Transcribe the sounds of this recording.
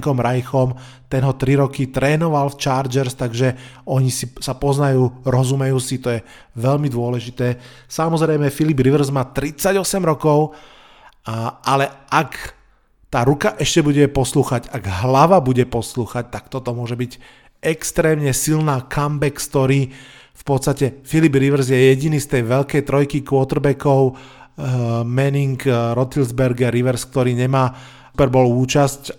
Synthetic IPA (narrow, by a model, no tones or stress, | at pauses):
kɔmɾajxɔm | t̪ɛnɦɔt̪ɾiɾɔkit̪ɾɛːnɔʋalft͡ʃaːɾd͡ʒɛɾst̪aɡʒɛɔɲisisapɔznajuːɾɔzumɛjuːsit̪ɔjɛ | ʋɛʎmid̪ʊɔlɛʒit̪ɛː | samɔzɾɛjmɛfilibɾiʋr̩zmaːt̪ɾit͡saɟɔsɛmɾɔkɔʊ | alɛʔak | t̪aːɾukaʔɛʃcɛbuɟɛpɔsluːxaɟaɡɦlaʋabuɟɛpɔsluːxac̚t̪akt̪ɔt̪ɔmʊɔʒɛbiɟ | ʔɛkst̪ɾɛːmɲɛsilnaːkʰambɛkst̪ɔɾiː | fpɔt̪st̪acɛfilibɾiʋɛɾzjɛjɛɟinist̪ɛjʋɛʎkɛjt̪ɾɔjkikʋɔt̪ɾbɛkɔʊ | mɛniŋkɾɔt̪ilzbɛɾɡɛɾiʋɛɾsk̚t̪ɔɾiːɲɛmaː | upɛɾbɔːluːt͡ʃasc